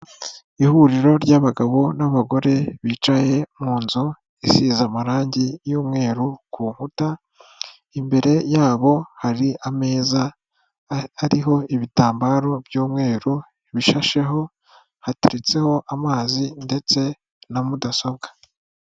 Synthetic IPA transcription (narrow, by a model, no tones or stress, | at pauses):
ihuɾiɾo̞ɾɟaβaɡaβo̞naβaɡo̞ɾe̞βiːt͡ʃaje̞mŋuːnzo | isizamaɾaːɲɟijuːmŋe̞ːɾukuːŋhuta | imbe̞ɾe̞jaːβo̞haɾiame̞ːza | aɾiɦo̞iβitaːmbaɾo̞bɟuːmŋe̞ːɾu | iβiʃaʃe̞ɦo̞ | hateɾet͡se̞ho̞ʔamaːzinde̞t͡se̞ | namudasobɡḁ